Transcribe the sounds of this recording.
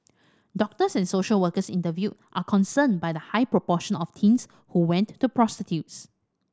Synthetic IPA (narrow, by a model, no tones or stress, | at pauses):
dɔk̚təsɛ̃nsoʃəlwəkəsḭ̃ntəvjutʔakʰɔ̃nsə̃nbajdəhaɪpɹopɔʃə̃nɔftʰĩns | huwɛ̃nːupɹɔstitʰjuts